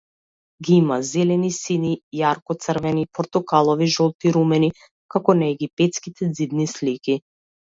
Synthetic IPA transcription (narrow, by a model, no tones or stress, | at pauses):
ɡiimazɛlɛnisinijaɾkɔt̪sərvɛnipɔɾt̪ukalˠɔviʒɔlˠt̪iɾumɛni | kakɔnaɛɡipɛt̪skit̪ɛd̪zib̪nisliki